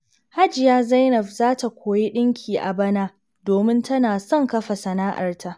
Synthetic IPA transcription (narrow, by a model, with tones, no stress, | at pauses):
ha˦d͡ʒɪ˨jaː˦za˦jnɔ˨ɸzaː˦ta˨kʷʰoː˨je˦ɗɪ˦ŋkʲʰiː˨ʔa̰˨bɐ˦naː˦ | doː˨mɪ˦ntɐ˦naː˨sɔ˦ŋkɐ˦ɸa˨sɐ˨naː˦ʔa̰˨rtʰa˦ʔ